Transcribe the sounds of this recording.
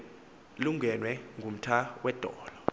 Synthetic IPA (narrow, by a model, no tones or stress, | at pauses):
luŋʱɛnwɛŋɡʱum̩tʰawʔɛd̥ʱɔːlɔ